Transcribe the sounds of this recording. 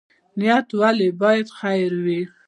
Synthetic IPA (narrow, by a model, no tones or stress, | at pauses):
nɪjat̪walebɑjad̪xajɾwi